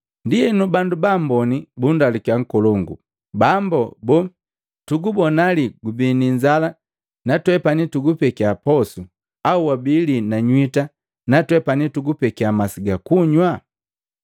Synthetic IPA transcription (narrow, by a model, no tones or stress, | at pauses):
ndiɛnubandubambɔnibundalikaŋ̩kɔlɔŋɡṵ | bambɔbɔ | tuɡubɔnaliɡubiniɲd͡ʒala | natwɛpanituɡupɛkiapɔsu | auwabilinaɲwita | natwɛpanituɡupɛkiamasiɡakuɲwa